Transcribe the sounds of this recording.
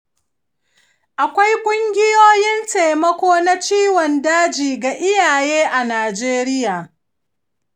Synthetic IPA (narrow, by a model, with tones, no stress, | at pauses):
ʔa˨kʷa˦jkʷʼʊ˦ŋɡʲɪ˦joː˦jɪ˦nte˨mɐ˦kʷoː˦na˦t͡ʃiː˦wɔ˨ndaː˦d͡ʒiː˨ɡa˨ʔɪ˦jaː˨jeː˦ʔa˨naː˨d͡ʒeː˦ɾɪ˦jaː˨